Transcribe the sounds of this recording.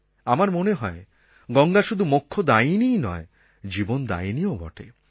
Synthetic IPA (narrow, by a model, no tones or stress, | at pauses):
amaɾmoneɦɔe | ɡɔŋɡaʃud̪ʱumokʰːod̪ainijnɔ̰e | d͡ʑibond̪a̰iniobɔ̰ʈʰḛ